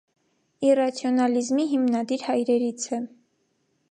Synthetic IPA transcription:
irɑt͡sʰjɔnɑlizmiɦimnɑd̪iɾhɑjɾɛɾit͡sʰɛ

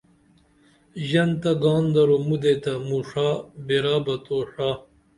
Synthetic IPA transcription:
ʑɐnt̪ɐɡaːnd̪ɐɾomud̪et̪ɐmuʂaːbeɾaːbɐt̪oːʂaː

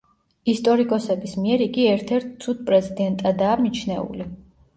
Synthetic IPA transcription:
ist̪ʼɔɾikʼɔsɛbismiɛɾiɡiɛɾt̪ʰɛɾt̪̚ʰt̪sʰud̪̥̚pʼɾɛzid̪ɛnt̪ʼad̪aːmit͡ʃʰnɛṵli

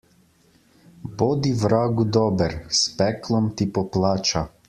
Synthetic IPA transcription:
boːd̪iʋɾaːɡud̪ɔːbɛɾspɛklɔmt̪ipɔplaːt͡ʃa

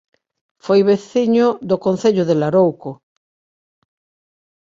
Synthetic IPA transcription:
fojβeθiɲʊd̪okõnθeʎʊðelaɾowko

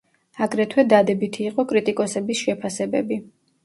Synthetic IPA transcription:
aɡɾɛt̪ʰwɛd̪ad̪ɛbit̪ʰiːqʼɔkʼɾit̪ʼikʼɔsɛbisʃɛpʰasɛbɛbi

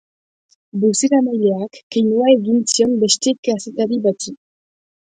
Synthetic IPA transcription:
busiɾamajleakːejnuaeɣint͡siombest̪ekasit̪aɾiβat͡su

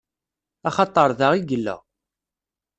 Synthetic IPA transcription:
ɑχɑt̪ˤːəɾˤðaʁiɡəlːə̰

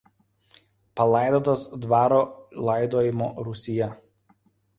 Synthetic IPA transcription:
pɐlˠɑˑɪd̪oːt̪ɐsd̪ʋɑːɾoːlˠɑˑɪd̪oːjɪmoːɾʊsʲɪjɛ

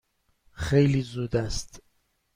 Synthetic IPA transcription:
xejliːzuːd̪æst̪

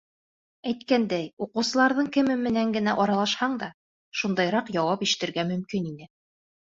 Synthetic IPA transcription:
æjt̪kænd̪æjuqɤ̆wsɤ̆lˠɑɾðɤɴkɘ̆mɘmɘ̆næŋɡɘ̆næʔɑɾɑlˠɑʃhɑɴd̪ɑ | ʃund̪ɑjɾɑqjɑwɑpiʃɘ̥̆t̪ɘ̆ɾɡæmɵ̆mkininɘ

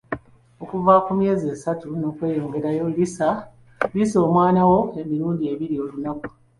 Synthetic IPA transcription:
o̞kuvakumije̞ːzieːsatuno̞ːkwe̞ːjo̞ːŋɡe̞ɾajo̞lisa | βiso̞ːmwaːnawo̞e̞miɾuːndie̞βiɾio̞ːlunaku̥

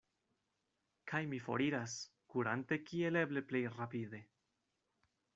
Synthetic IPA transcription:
kʰajmifo̞̰ɾiɾas | kuɾante̞kie̞le̞ble̞ple̞jrapid̪e̞

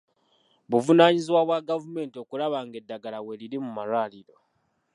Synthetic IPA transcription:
βuvunaːɲiziwaβwaɡavume̞ːntio̞kulaβaːŋɡe̞dːaɡalawe̞liɾimumalwaːliɾo̞

